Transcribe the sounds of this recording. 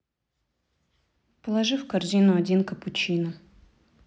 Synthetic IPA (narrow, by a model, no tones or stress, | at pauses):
pəlˠɐʐɨfkɐrzʲinʊɐdʲinkəpʊt͡ɕinə